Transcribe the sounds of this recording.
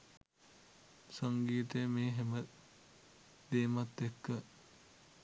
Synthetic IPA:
saŋɡiːt̪əjəmeːɦemə | d̪eːmat̪ːekːə

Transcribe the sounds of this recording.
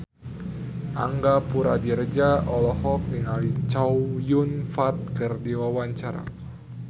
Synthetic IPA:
ʔa̰ŋɡapuɾa̰diɾəd͡ʒaɔlɔhɔk̚niŋalit͡ʃawjunfat̪̚kərdiwawaɲt͡ʃaɾa̰

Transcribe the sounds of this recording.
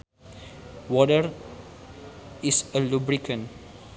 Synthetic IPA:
wɔdəɹ | isəlubɹikə̃n

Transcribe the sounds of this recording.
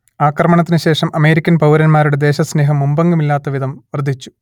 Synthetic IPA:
aːkrɐmɐɳɐt̪ːinɨɕe̞ːʂɐmʔɐme̞ːɾikʲːɐnpɐwɾɐnmaːɾuɽe̞d̪e̞ːɕɐsne̞ːɦɐmːumbɐŋɡumilːaːt̪ːɐʋid̪ʱɐmʋɐrd̪ʱːit͡ɕːu̥

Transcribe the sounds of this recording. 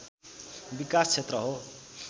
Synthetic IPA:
bikast͡sʰet̪rʌɦo

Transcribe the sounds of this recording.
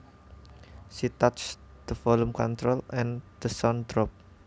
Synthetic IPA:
sit̪at͡ʃd̪̥əfɔlumkɔnt̪ɾolɛ̃nd̪̥əsɔnd̪ɾɔp̚

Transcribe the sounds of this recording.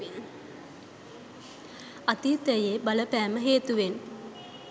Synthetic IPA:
n | at̪iːt̪əjebaləpɛːməɦeːt̪uʋen

